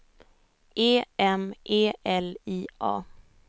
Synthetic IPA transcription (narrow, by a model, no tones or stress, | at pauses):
ʔeːɛmʔeːɛliːʔɑ̰ː